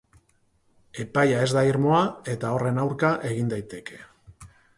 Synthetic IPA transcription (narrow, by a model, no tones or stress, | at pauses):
e̞pajae̞zd̪aiɾmo̞ae̞t̪ao̞re̞nawɾkaʔe̞ɣind̪ajt̪e̞ke̞